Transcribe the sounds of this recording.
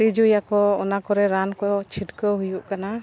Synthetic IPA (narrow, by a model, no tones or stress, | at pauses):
id͡ʒujakɔɔnakɔɾɛɾankɔt͡ʃʰiʈkɔɦujuʔkana